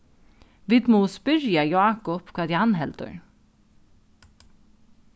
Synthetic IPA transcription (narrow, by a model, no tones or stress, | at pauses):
ʋɪd̪moːspʏɾjajɑːkɔpkʰɑd̪janɦɛlt̪ə̰ɳ